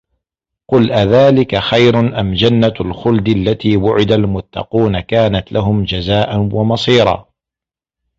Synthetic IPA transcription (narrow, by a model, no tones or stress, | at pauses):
qʊlʔaðaːlɪkaxajɾʊnʔamd͡ʒanːalxʊld̪ɪalːat̪iːwʊʕɪd̪almʊt̪ːɑ̰quːnakaːnat̪lʔaɦʊmd͡ʒazaːʔanwamɑsˤiːɾˤɑ̰ː